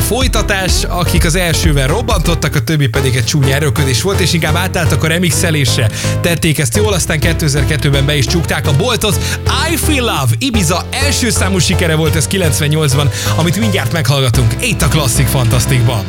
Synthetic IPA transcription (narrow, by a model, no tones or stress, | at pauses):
fo̞jt̪ɒt̪aːʃɒkikɒzɛlʃøːvɛlro̞bːɒnt̪o̞t̪ːɒkɒt̪øbːipɛd̪iɡɛc̚t͡ʃuːɲɛɾøkød̪eːʃʋo̞lt̪eːʃiŋkaːbaːt̪aːlt̪ɒkɒɾɛmiksɛleːʃɛt̪ɛt̪ːeːkɛst̪joːlɒst̪aːŋkɛt̪ːøːɛzɛrkɛt̪ːøːbɛmbɛiʃt͡ʃukt̪aːkɒbo̞lt̪o̞t̪ajfilavibizɒɛlʃøːsaːmuʃikɛɾɛvo̞lt̪ɛskilɛnsʋɛɲɲo̞ld̪zbɒnɒmit̪miɲɟaːrt̪mɛkhɒlɡɒt̪uŋkit̪ːɒklɒsːikfɒnt̪ɒst̪iɡbɒn